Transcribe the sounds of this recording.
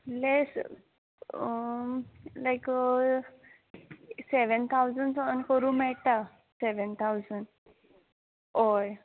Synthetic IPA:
les | lajk | seʋənt̪ʰawzənsənkəɾũːmɛɭt̪a | seʋənt̪ʰawzəɳ | oj

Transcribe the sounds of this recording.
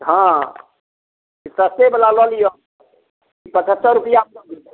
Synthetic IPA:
ɦã | isəst̪ebelalɔlijo | kipə̃t͡ʃʰət̪ːəɾupijap

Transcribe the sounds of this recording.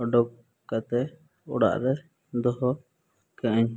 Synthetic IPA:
ɔɖɔp̚ | kat̪ɛ | ʊɽa̰ʔɾɛ | d̪ɔɦɔ | kɛʔəɲ

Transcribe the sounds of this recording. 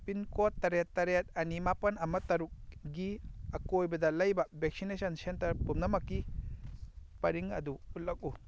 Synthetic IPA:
pinkotːɐɾetːɐɾet̚ɐnimapɐnɐmɐtɐɾuk̚ɡiɐkojbɐdɐlɐjbɐbek̚sinesɐnsentɐɾpumnɐmɐkːi | pɐɾiŋɐduut̚lːɐk̚u

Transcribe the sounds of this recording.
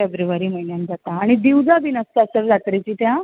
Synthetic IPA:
febɾuʋaɾiːməɦinjand͡zat̪aːɽ̃id̪iwd͡zaʋinəst̪əəsəɾd͡zat̪ɾet͡ɕiːt̪jã

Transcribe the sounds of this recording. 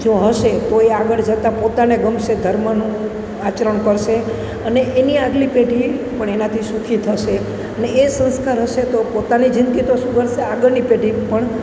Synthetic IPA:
d͡ʒoɦəʃet̪oeaɡəɭd͡ʒət̪apot̪aneɡəmʃed̪ʱəɾmənũ | at͡ʃɾəɳkəɾʃe | əneʔeniaɡlipeʈipəɳenat̪ʰisukʰit̪ʰəʃe | əneːsə̃ñskaɾɦəʃet̪opot̪anid͡ʒɪnd̪ɡit̪oʃũɡəɾʃeaɡəɾnipeʈipəɳ

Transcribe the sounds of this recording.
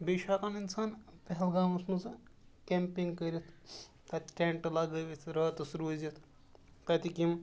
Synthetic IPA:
biːʃaːkaːninsaːnpɐɦɛlɡaːmɐsmɐzɨkʲeːmpiŋɡkɐɾʲit̪ʰ | t̪ɐt̪ʈʲeːɳʈlaɡɐʋit̪ʰɾɐːt̪ɐsɾuzit̪ʰ | t̪ɐt̪ikim

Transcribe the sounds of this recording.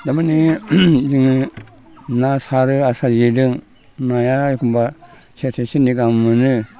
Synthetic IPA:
d̪amanid͡ʒiŋ | nasaɾɯasad͡ʒidɯŋ | najaikʰumba | sʰetʰesiniɡamːɯnɯ

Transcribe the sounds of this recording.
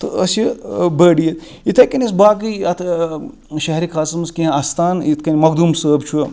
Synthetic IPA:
t̪ɨɐsjibəːɽijit̪ | it̪ʰɐkɐnʲɐs̬baːɡɨɐt̪ʰ | ʃɐɦɾikʰaːsɐmɐskiɐ̃ast̪ʰaːnit̪ʰkɐnʲimɐkd̪umsəːbt͡ʃʰu

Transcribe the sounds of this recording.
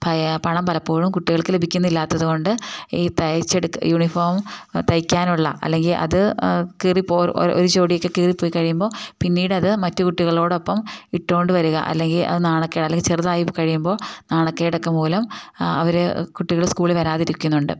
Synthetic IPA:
pɐpɐɳɐmpɐlɐpːoːɻumkuʈːiɣɐɭkɨlebʱikʲːunːilːaːt̪ːɐðuɣo̞ɳɖɨiːt̪ɐjt͡ɕːeɽukːjuːɳifoːrmt̪ɐjkʲːaːnuɭːɐ̰ʔɐ̰lːe̞ŋɡilʔɐ̰ðɨkiripːo̰ːo̰ɾut͡ɕo̞ːɽijokːe̞kiːripːo̞ːjikːɐɻijumbo̞ːpinːiːɽɐðɨmɐtːɨkuʈːiɣɐɭo̞ːɽopːɐmiʈːo̞ːɳɖɨʋɐɾuɣɐ̰ʔɐ̰lːe̞ŋɡilɐ̰ðɨnaːɳokːeiɽɐlːeŋɡilt͡ɕirðaːjipkɐɻijumbo̞ːnaːɳɐkːejiɽɐkːemoːlɐmɐ̰ʋɐɾekuʈːiɣɐɭskuːɭiʋɐɾaːðiɾikʲːunːuɳɖɨ̰

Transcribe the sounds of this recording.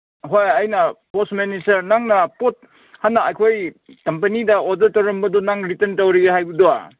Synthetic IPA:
ɦojɐjnɐposmenisɐɾnaŋnɐpot̚ | hanːaːjkʰojkɐmpɐnidɐodɐɾtɐwɾɐmbɐdonaŋɾitɐntɐwɾiɡeɦajbudoa̰

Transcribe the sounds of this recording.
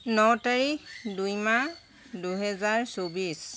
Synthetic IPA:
nɔtaɹixdujma | duɦɛzaɹsobis

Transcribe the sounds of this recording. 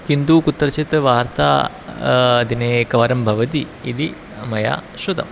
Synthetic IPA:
kind̪uːkut̪ːɐɾɐt͡ʃit̪ʋaːɾt̪a̰ː | ɐd̪ineːkɐʋɐɾɐmbʱɐʋɐt̪iːd̪i | mɐja̰ːʃud̪ɐ̰m

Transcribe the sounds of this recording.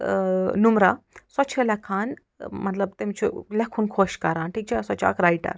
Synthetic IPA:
numɾasɔt͡ʃʰɐlɐkʰaːn | mɐt̪lɐb̚t̪emt͡ʃʰṵlɐkʰunkʰoːʃkɐɾaːnʈʰiːk̚t͡ʃʰasɔt͡ʃʰa̰ːkɾajʈɐ̰ɾ

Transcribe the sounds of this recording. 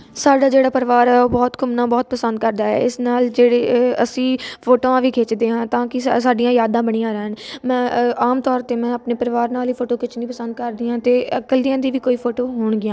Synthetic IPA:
saːɖaːd͡ʒeːɽaːpəɾʋaːɾɛːoːbɔːt̪kʰʊmnãːbɔːt̪̚pəsənd̪̚kəɾd̪aːɛ̰ɪsnaːld͡ʒeːɽeːəsĩːpʰoːʈoːãːʋiːkʰeːt͡ʃd̪eːɦãːt̪ãːkɪsaːɖɪjãːjaːd̪ãːbəɽ̃ijãːɾɛɦənmɛ̃ːaːmt̪ɔːɾt̪eːmɛ̃ːəpneːpəɾʋaːɾnaːliːpʰoːʈoːkɪt͡ʃʰnĩːpəsənd̪kəɾd̪iːãːt̪eːəkəld̪ɪjãːd̪iːʋiːkoːiːpʰoːʈoːɦoːɳɡɪjãː

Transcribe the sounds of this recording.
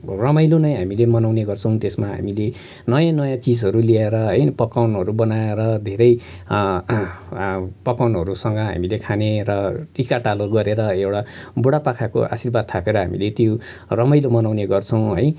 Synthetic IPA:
rʌmʌjlonʌjɦamilemʌnawneɡʌrt͡sʰʌw̃t̪esmaɦa̰mile | nʌjãnʌjãt͡sid͡zɦʌɾulieɾʌɦʌjpʌkawnɦʌɾubʌnaeɾʌd̪ʱeɾʌj | pʌkawnɦʌɾusʌŋɡʌɦa̰milekʰaneɾʌʈikaʈaloɡʌɾeɾʌewɽaboɽapakʰako̰ʔa̰sirbad̪̚t̪ʰakeɾʌɦa̰mḭlet̪jo | rʌmʌjlomʌnawneɡʌrt͡sʰʌw̃ɦʌj

